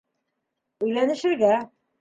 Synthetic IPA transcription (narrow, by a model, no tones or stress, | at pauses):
ɵ̆jlænɘ̆ʃɘ̆ɾɡæ